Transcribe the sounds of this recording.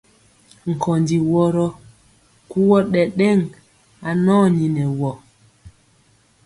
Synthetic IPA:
ŋ̩˨kʰɔ˨ndi˨wɔ˦ɾɔ˦ | ku˦wɔ˦ɗɛ˨ɗɛ˦˨ŋ | a˨nɔː˦˨ɲi˨nɛ˨wɔ˨

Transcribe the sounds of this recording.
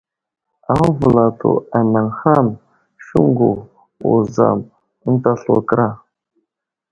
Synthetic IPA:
a˨˦vu˨la˨tʰṵ˨a˨na˨ŋxa˦m | ʃu˦ŋɡu˨ | u˨za̰˨m˦ | n˦ta˦ɬṵ˨kɾa˦˨

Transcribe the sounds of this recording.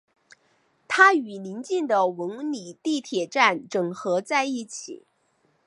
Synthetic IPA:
t̪ʰa˥y˨˩li˧˥nt͡ɕi˥˩nd̪ə˩wə˧˥ŋni˨˩˦t̪i˥˩t̪ʰjɛ˨˩ʈ͡ʂa˥˩nʈ͡ʂɤ˨˩ŋxɤ˧˥t͡sa˥˧ɪi˥˩t͡ɕʰḭ˨˩˦

